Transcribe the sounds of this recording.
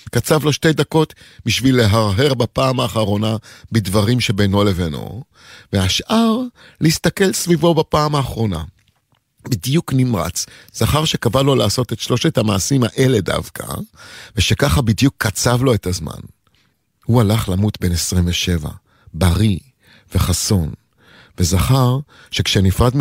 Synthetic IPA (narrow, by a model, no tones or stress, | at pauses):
kat͡savlo̞ʃte̞jdako̞t | biʃvile̞ɦaʁɦe̞ʁbapaːmaːχaʁo̞nabidvaʁimʃe̞beno̞le̞veno̞̰ | veaʃʔaʁ | lehist̪ake̞lsvivo̞bapaːmaːχʁo̞na̰ | bidjuknimʁa̰t͡sz̥aχaʁʃe̞kavalo̞laːso̞t̪e̞tʃlo̞ʃetamaːsimaʔe̞le̞da̰vkʰa̰veʃekaχabidjukʰːat͡savlo̞etazma̰n | hualaχlamutbe̞nesʁimveʃe̞va̰ | baʁi | ve̞χaso̞n | vezaχaʁ | ʃekʃenifʁadm